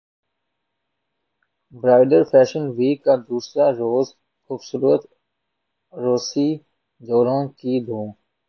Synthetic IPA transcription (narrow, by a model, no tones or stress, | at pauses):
bɾaːɪɖəɾfʰɛːʃənʋiːkːaːd̪uːsɾaːɾoːz | xuːbsuːɾət̪ | ɾoːsiː | d̪oːɾõːkid̪ʱũː